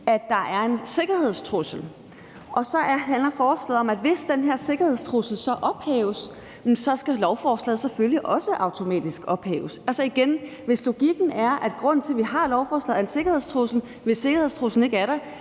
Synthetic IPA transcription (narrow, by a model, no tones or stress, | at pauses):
æd̥ːɑ̈ʔæɐe̝nse̝ɡ̥ɐhe̝ð̞̰ˠst͡sʰʁusl̩ | ʔɒ̽sɒ̽ɦænlɐfɒ̥ːsɡ̥eð̩ˠɒ̽mæd̥ʋe̝sd̥enɦeɐse̝ɡ̥ɐhe̝ð̞̰ˠst͡sʰʁusl̩sɒ̽ʔɒ̽b̥hɛ̰ːʊs | sɒ̽sɡ̥ælɒʊfɒːslɛð̩ˠseføljiʔɒ̽səʔɑ̈ʊt͡sʰo̝mɛ̰ːd̥isɡ̥ɒ̽b̥hɛ̰ːʊsælsɒiɡ̥enʋe̝slo̝ɡ̥iɡ̥n̩æɐʔæd̥ɡ̥ʁɔ̽n̰n̩t͡sʰe̝ʋihɑ̈lɒʊfɒːslɛð̩ˠɐense̝ɡ̥ɐhe̝ðˠst͡sʰʁusl̩ | ʋe̝se̝ɡ̥ɐhe̝ðˠst͡sʰʁusn̩e̝ɡ̥æɐɾe